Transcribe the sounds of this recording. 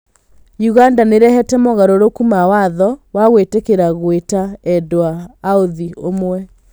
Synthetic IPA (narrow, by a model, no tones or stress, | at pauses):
juɣandaneɾɛhɛtɛmɔɣaɾoɾokumawaðɔwaɣwetekeɾaɣwetaɛdoaːoðiomwɛ